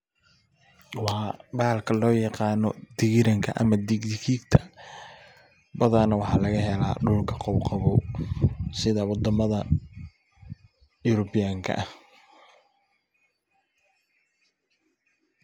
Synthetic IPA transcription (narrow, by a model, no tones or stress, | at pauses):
wɑbaːlkʰɐlɔːjɑqɑːnɔd̪ɪɣɪɾɐŋkʰɐʔɐ̰mɐd̪iɡd̪ɪkʰiːɡt̪ʰɐ̥ | bɐðanɐwɑħɑːlɐɣɐhɛla̰ːɖʊlkʰɐqɔwqɑβɔː | sɪðɐwɑd̪ɐmɐðɐ | ʊɾɔbɪjaːŋkʰɐ̰ʔɐh